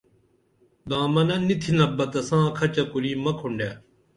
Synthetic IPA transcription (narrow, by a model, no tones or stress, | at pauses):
d̪ãːmɐnɐnit̪ʰinɐbɐt̪ɐsãːkʰɐt͡ɕɐkuɾiːmɐkʰuɳɖjaː